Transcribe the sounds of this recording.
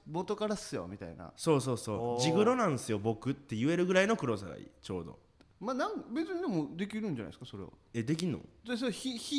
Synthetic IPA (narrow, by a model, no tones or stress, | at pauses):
mot̪o̞kaɾasɨjo̰mʲit̪a̰ḭna̰so̞ːso̞ːso̞ːd͡ʑiɡɯ̟ɾo̞nãñsɨjo̞bo̞kɯ̟t̪ːe̞jɯ̟e̞ɾɯ̟ɡɯ̟ɾaino̞kɯ̟ɾo̞saɡa̰ḭːt͡ɕo̞̰ːd̪o̞̰ | manãŋkbe̞t͡sɨɲ̟id̪emo̞d̪e̞kʲiɾɯ̟̃ɲ̟d͡ʑana̰isɨ̥kaso̞ɾḛβa̰e̞d̪e̞kʲinːo̰d̪es̬oçiçi